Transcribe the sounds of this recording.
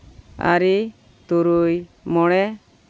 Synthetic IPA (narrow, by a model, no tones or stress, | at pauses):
a̰ɾi | t̪uɾuj | mɔɽ̃ɛ